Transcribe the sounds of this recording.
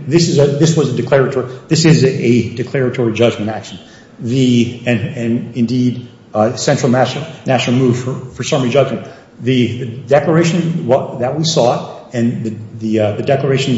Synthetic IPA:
ðɪsɨzɨðɪswʌzɨdɨkʰl̥ɛɹɨtʰɔɹiðɪsɪzɨdɨkʰl̥ɛɹɨtʰɔɹid͡ʒʌd͡ʒmɨ̃ñækʃn̩ | ðɨɨ̃nɨ̃nɨ̃ndid | sɛ̃nt͡ʃɹ̥l̩ˠmæʃ̩ˠnæʃnl̩ˠmuv̥fə˞fə˞sʌ̃mɹid͡ʒʌɡʃɨ̃n | ðɨðɨdɛklə˞eɪʃɨ̃n̩wʌðɨt̚wisɔɾɨ̃nðɨðɨðɨdɛklə˞eɪʃn̩

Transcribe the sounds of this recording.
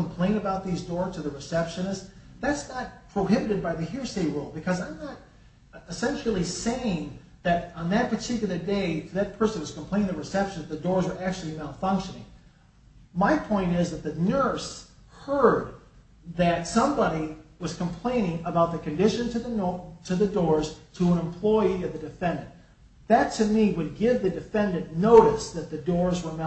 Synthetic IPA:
kʰm̩pʰl̥ẽɪ̃ñɨbaʊt̪̚ðizdɔɹz̥tʰɨðɨɹɨsɛpʃɨ̃nɨsðætsnət̚pʰɹ̥oʊɦɪbɨɾɨd̚baɪðɨɦɪɹseɪɹolˠbɨkʰʌzãɪ̃mnəɾ | ɨsɛ̃nʃl̩ˠiseɪɪ̃ŋ | ðɨɾə̃nðɨt̚pʰə˞tʰɪkjl̩ˠə˞deɪɾʰɨðɨt̚pʰɜ˞sɨ̃n̩wʌz̥km̩pl̥ẽɪ̃nɪ̃ŋəɹɨsɛpʃɨ̃nzðɨdɔɹzwə˞ʔæk̚t͡ʃʉl̩ˠinaʊfʌ̃ŋkʃɨnɪ̰̃ŋ | maɪpʰɔ̃ɪ̃ñtɪzðɨt̪̚ðɨnɜ˞s | hɜ˞d̪̚ | ðɨtsʌ̃mbɑɾiwʌz̥kʰə̃m̩pʰl̥ẽɪ̃ñɪ̃ŋəbaʊt̪̚ðɨkɨ̃ndɪʃɨ̃ntʰɨðtʰɨðɨdɔɹz̥tʰəə̃nə̃mpʰl̥ɔɪiʌvðɨdɨfɛ̃ndɨ̃n | ðɨtʰɨmiwɨd̚ɡɪvðɨdɨfɛ̃ndɨ̃nːoʊɾɨsðɨt̪̚ðɨdɔɹzwə˞m

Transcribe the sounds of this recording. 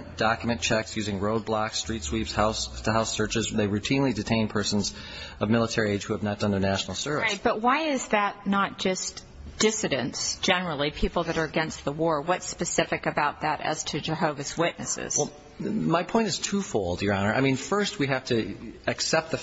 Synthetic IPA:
d̥ɑkjmɨ̃nt͡ʃʰɛksjʉzɪ̃ŋɹoʊd̚blɑkstɹ̥itswipshasəɦaʊsɜ˞t͡ʃɨzðeɪɹʉtʰĩnlidɨtʰẽɪ̃npʰɜ˞sn̩z | ʌvmɪlˠətʰɛɹieɪd͡ʒʒ̥huɨvnət̚d̥ʌ̃nðə˞næʃn̩l̩ˠsɜ˞vɨ̰t̚b̥ʌt̚waɪɪzðɨtⁿnət̚d̥ʒ̥ʌst | d̥ɪsɨɾɨ̃ntsd̥ʒ̥ɛnə˞l̩ˠipʰipl̩ˠðɨɾə˞ɨɡɛ̃nst̪̚ðəwɔɹwʌtspɨsɪfɨkɨbaʊt̪̚ðɨɾɨ̰z̥tʰɨd͡ʒɨɦoʊvɨzwɪʔⁿnɨ̰sɪ̰z̥wɛ | maɪpʰɔ̃ɪ̃ntɨz̥tʰufoʊlˠdjə˞ɑnə˞a̰ɪmĩnfɜ˞st̚wiɦæftʰɨɨksɛp̚t̪̚ðɨ

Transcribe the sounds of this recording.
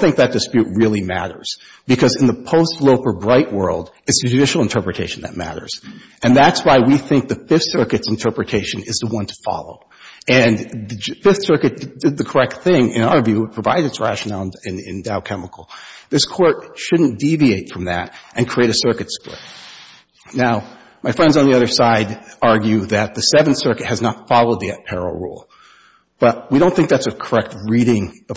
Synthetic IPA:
θɪ̃ŋk̚ðɨt̚d̥ɨspjʉʔ̚ɹɪlˠimæ̰ɾə̰˞z̥ | b̥ɨkʰʌzɨ̃n̩ðəpʰoʊstˡloʊpə˞bɹaɪʔwɜ̰˞lˠd | ɨtsðɨd͡ʒɨdɪʃl̩ˠə̃ntʰɜ˞pɹɨtʰeɪʃn̩ðɨ̰t̚mæ̰ɾə̰˞z̥ | ɨ̃nðætswaɪwiθɪ̃ŋk̚ðɨfɪfθsɜ˞kɨtsn̩tʰɜ˞pɹɨtʰeɪʃɨ̃nɨzðəwʌ̃ntʰə̥fɑ̰lˠo̰ʊ | ɨ̃nðɨd͡ʒfɪfθsɜ˞kɨt̚d̥ɨd̪̚ðɨkʰə˞ɛk̚t̪̚θɪ̃ŋɪ̰̃ñaʊə˞vjʉ̥pʰɹ̥əva̰ɪɾɨɨtsɹæ̰ʃɨnæl̃ˠnɪ̃nɪ̰̃ndaʊkʰɛməkl̩ˠðɪskʰɔɹt̚ʃʊdⁿn̩d̥ivieɪtfɹʌ̃mðɨ̰ɾʔɨ̃nkʰɹ̥ieɪɾɨsɜ˞kɨtsplɪ̰t̚ | naʊ | maɪfɹɛ̃ndzn̩ðiʌðə˞saɪɾɑɹɡjʉðɨt̪̚ðɨsɛvn̩sɜ˞kɨt̚hɨznətfɑlˠoʊd̪̚ðiɨt̚pʰɛɹl̩ˠɹṵlˠ | b̥ʌt̚wiɾõʊ̃nθɪ̃ŋk̚ðætsɨkʰə˞ɛk̚t̚ɹiɾɪ̃ŋʌ

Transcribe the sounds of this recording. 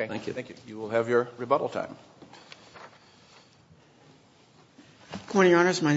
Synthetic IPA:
æ̃kj̰θæ̃ŋkjʉ̰jɨwɪlˠɨvjə˞ɹɨbʌɾl̩ˠtʰã̰ɪ̃m | kʰɔ̃ɪɾ̃iɑnə˞zmãɪ

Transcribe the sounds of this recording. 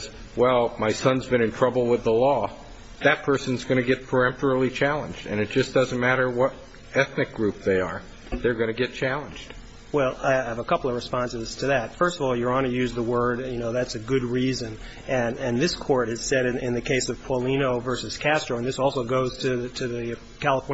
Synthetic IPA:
z | wɛlˠmaɪsʌ̃nzbɨ̃ñɨ̃ntʰɹ̥ʌbl̩ˠwəðəlɔ | ðɨt̚pʰɜ˞sɨ̃n̩zɡʌñɨɡɛt̚pʰə˞ɛ̃mtə˞l̩ˠit͡ʃʰælˠə̃nd͡ʒdɨ̰̃nɨt̚d̥ʒ̥ʌsd̥ʌz̃n̩mæɾə˞wʌɾ | ɛθnɨk̚ɡ̥ɹʉp̚ðeɪə˞ | ðə˞ɡʌnɨɡɛt̚t͡ʃʰælˠə̃nd͡ʒd̥ | wɛlˠaɪɨvəkʰʌpl̩ˠʌvɹɨspɑ̃nsɨz̥tʰɨðɨtfɜ˞stʌvɔlˠjə˞ɑ̃nɨjʉzðəwɜ˞djɨnoʊðætsɨɡʊd̚ɹizɨ̃n | ɨ̃nɨ̃nðɪskʰɔɹɾɨz̥sɛɾɨ̃ɪ̃nðɨkʰeɪsʌv̥pʰɔlĩnoʊvɜ˞sɨz̥kʰæstɹ̥oʊə̃nðɪsɔlˠsoʊɡoʊz̥tʰɨtʰɨðɨ | kʰælˠəfɔ

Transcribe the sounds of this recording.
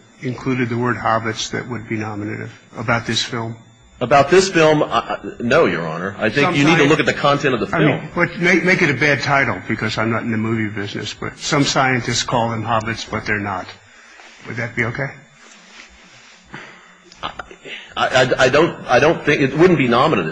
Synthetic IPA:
ɨ̃nkʰl̥ʉɾɨd̪̚ðəwɜ˞d̚hɑbɨtsðɨ̰ʔ̚wəd̚binɑmɨnɨ̰ɾɪ̰v̥əbaʊt̪̚ðɪsfɪlˠm | əbaʊt̪̚ðɪsfɪlˠma̰ʔnoʊjə̰˞ɑ̰nə˞aɪθɪ̃ʌ̃mkjɨnid̚tʰɨlʊkɨt̪̚ðɨkʰɑ̃ntʰɛ̃ñtʌvðəfaɪmĩnmwʌtmeɪk̚meɪkɨɾɨbæd̚tʰaɪɾl̩ˠb̥ɨkʰʌzãɪ̃mnəɾn̩ðɨmʉvibɪznɨ̰sb̥ʌ̰t̚sʌ̃msaɪɨ̃ntɨstskʰɔlˠðɨ̃mɦɑbɨtsb̥ʌt̪̚ðə˞nət | wɨd̪̚ðɨt̚b̥ioʊkʰeɪ | ʔaaɪʔaɪaɪdõʊ̃naɪɾõʊ̃nθɪ̃ŋkɨt̚wʊdⁿn̩b̥inɑmənɨɾɨ

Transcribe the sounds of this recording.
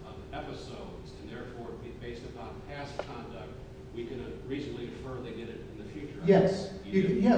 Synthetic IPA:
ɛpɨsoʊdzɨ̃nðɛɹfɔɹ | beɪstɨpʰɑ̃npʰæskʰɑ̃ndʌk̚t̚ | wikɨ̃nɨɹisnəbliɨfɜ˞ðeɪɡɛɾɨɾ̃n̩ðɨfjʉt͡ʃə˞jɛs | ɨjɛ

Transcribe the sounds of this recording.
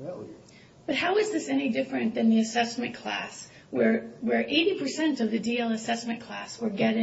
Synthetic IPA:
b̥ʌt̚haʊɨzðɪsɛñidɪfɹɨ̃nðɨ̃nðiɨsɛsmɨ̃nkʰl̥æ̰s | wə˞ʔeɪɾipʰə˞sɛ̃ntʌvðɨdilˠəsɛsmɨ̃nkʰl̥æswə˞ɡɛɾɪ̃

